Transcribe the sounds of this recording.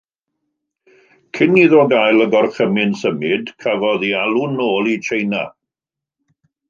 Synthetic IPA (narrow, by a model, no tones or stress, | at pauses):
kʰɪniðoɡajlˠəɡɔrχəmɪnsəmɪdkʰavɔðialˠunoːlˠit͡ʃʰejna̰